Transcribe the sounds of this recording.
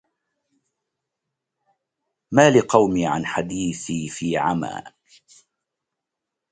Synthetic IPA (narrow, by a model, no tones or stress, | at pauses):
maːlɪqɑwmiːʕa̰nħad̪iːθiːfiːʕa̰ma̰ː